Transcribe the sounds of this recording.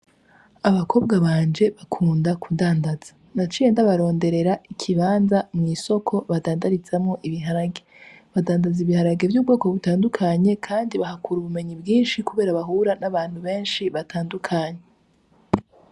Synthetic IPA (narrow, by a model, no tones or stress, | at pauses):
aβakʰo̞ːbɡaβaːɲd͡ʒe̞βakʰuːndakʰudaːndaz̥ḁ | nat͡ʃieːndaβaɾo̞ːnde̞ɾe̞ɾaʔikʰiβaːnzamŋiːso̞kʰo̞βadaːndaɾit͡samŋo̞ʔiβiɦaɾaɡeβadaːndaziβihaɾaɡe̞vjuːbɡo̞ːkoβutaːndukʰaɲe̞kʰaːndiβaɦakʰuːɾuβume̞ɲibɡiːnʃikuβe̞ːɾaβaɦuːɾanaβaːn̥huβe̞ːnʃiβatʰaːndukʰaɲe